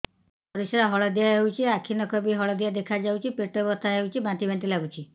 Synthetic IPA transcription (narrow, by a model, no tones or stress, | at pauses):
pɔɾisɔɾaɦɔɭɔd̪ijaɦewt͡ʃʰiakʰinɔkʰɔbiɦɔɭɔd̪ijad̪ekʰad͡ʒawt͡ʃʰipeʈɔbɔt̪ʰaɦewt͡ʃʰibãt̪ibʱẽnt̪̬ilaɡut͡ʃʰi